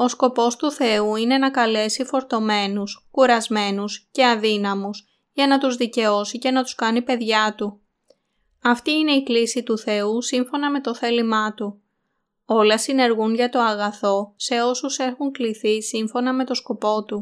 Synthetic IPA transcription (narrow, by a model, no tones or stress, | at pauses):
o̞sko̞po̞st̪uθe̞uine̞nɐkɐle̞sifo̞ɾt̪o̞me̞nuskuɾɐzme̞nusce̞ɐðinɐmus | ʝɐnɐt̪uzðice̞o̞sice̞nɐt̪u̥skɐnipe̞ðʝɐt̪u | ɐft̪iine̞iklisit̪uθe̞usiɱfo̞nɐme̞t̪o̞θe̞limɐt̪u | o̞lɐsine̞ɾɣunʝɐt̪o̞ɐɣɐθo̞se̞o̞suse̞xuŋkliθisiɱfo̞nɐme̞t̪o̞sko̞po̞t̪u